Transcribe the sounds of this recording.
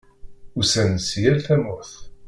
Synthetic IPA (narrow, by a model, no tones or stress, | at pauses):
usænsjælθæmʊɾθ